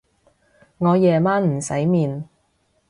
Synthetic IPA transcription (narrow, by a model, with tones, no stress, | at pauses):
ŋɔː˨˧jɛː˨maː˥nm̩˨˩sɐ˨˥jmiː˨n